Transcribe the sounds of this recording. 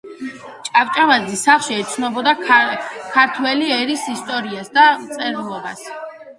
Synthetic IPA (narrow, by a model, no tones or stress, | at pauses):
t͡ʃʼavt͡ʃʼamad̪zisaχʃiɛt̪sʰnɔbɔd̪a | kʰaɾt̪ʰwɛliɛɾisist̪ʼɔɾiasd̪amt̪sʼɛɾlˠɔba̰s